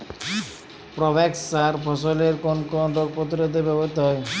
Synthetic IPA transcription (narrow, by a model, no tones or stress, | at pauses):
pɾɔbeksaɾpʰɔsoleɾkonkɔnɾoɡ̚pot̪iɾod̪ebɛbɔit̪ɔɦɔj